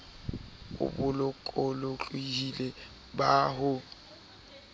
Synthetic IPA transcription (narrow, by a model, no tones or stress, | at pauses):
ʊ̰bʊlɔkʼɔlɔt͡ɬʼwihile | baɦʊ